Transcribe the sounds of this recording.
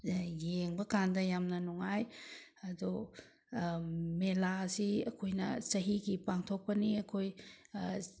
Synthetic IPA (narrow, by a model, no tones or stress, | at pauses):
jeŋbɐkandɐjamnɐnuŋajɐdu | melasiɐkʰojnɐ̰sɐɦiɡipaŋtʰok̚pɐniɐkʰoj